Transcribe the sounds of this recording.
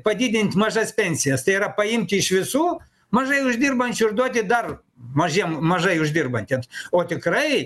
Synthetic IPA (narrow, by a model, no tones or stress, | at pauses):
pɐd̪ʲid̪ʲɪnʲt̪ʲmɐʒɐsʲpʲenʲsʲɪjɐst̪ɐjɾɐpɐimʲt̪ʲɪʃʋʲɪsu | mɐʒɐjʊʒd̪ʲirbɐnʲt͡ʃʲʊrd̪ot̪ʲɪd̪ɐr | mɐʒʲɛmmɐʒɐjʊʒdʲirbɐnʲt̪ʲɛt̪ot̪ʲɪkɾɐj